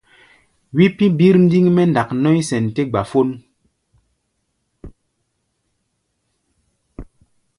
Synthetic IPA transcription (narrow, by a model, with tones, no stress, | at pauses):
wi˦pi˦bi˦ɾn̩˦di˦ŋmɛ˦n˨da˨knɔ˦i˦sɛ˨nte˦ɡ͡ba˨fo˦n